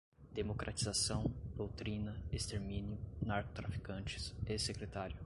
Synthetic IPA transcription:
d̪emokɾʔat͡ʃizasɐ̃w̃d̪̥owt̪ɾĩnɐest̪eɾmĩnjʊnaɾkot̪ɾafi̥kɐ̃t͡ʃɪ̥sesekɾet̪aɾjʊ

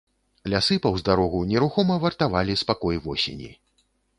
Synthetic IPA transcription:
lʲasɨpɐwzd̪aɾɔɣunʲɛɾuxɔmɐvɐrt̪avalʲispakɔjvɔsʲḛnʲḭ

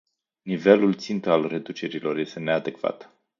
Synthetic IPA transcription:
nive̞lult̪sint̪əalre̞d̪ut͡ʃe̞ɾilo̞rje̞st̪e̞ne̞ad̪e̞kv̥a̰t̪

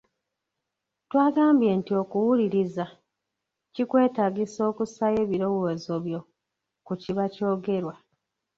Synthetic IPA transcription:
twaːɡaːmbje̞ːntio̞kuwuliɾiza | cikwe̞ːtaːɡiso̞ːkusaje̞βiɾo̞wozo̞βjo̞ | kuciβaco̞ːɡe̞ɾwa

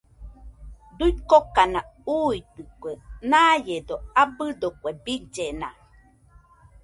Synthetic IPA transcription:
d̪uikokanauit̪ɨkʷenajed̪oabɨd̪okʷebid͡ʒena

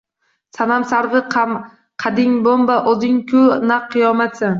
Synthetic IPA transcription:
sanamsaɾvɪq | qʰɑd̪ɪŋbombaʔozɪŋkʰʲʊnaqʰːɨjɒmat̪sɪ

